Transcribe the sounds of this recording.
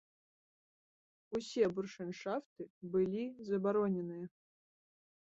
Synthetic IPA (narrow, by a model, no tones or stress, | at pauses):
usʲɛburʂɨnʂaft̪ɨbɨlʲizɐbaɾɔnʲɛnɨjɐ